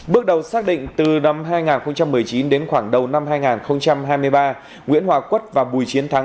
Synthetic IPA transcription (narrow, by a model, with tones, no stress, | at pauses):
ɓɨ˦˥ək̚ɗə˨˩wsaː˦˥k̚ɗḭ˧˨ŋ̟t̪ɨ˨˩na˧mɦaː˧jŋaː˨˩nxə˧wŋ͡mt͡ɕa˧mː˨˩əjt͡ɕi˨˦nɗe˨˦nxwaː˧˩ŋɗə˨˩wna˧mɦaː˧jŋaː˨˩nxə˧wŋ͡mt͡ɕa˧mɦaː˧jmɨ˧əjɓaː˧ | ŋwḭ˧˥ənhwaː˨˩kwə˦˥t̚vaː˨˩ɓu˨˩jt͡ɕi˨˦ənt̪ʰa˨˦ŋ